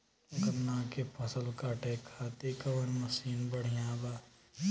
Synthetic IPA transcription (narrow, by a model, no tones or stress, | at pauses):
ɡɐnnaːkepʰɐsəlkaːʈeːkʰːaːt̪ikɐʋɐnmɐsiːnbɐɽ̤ijãːbaː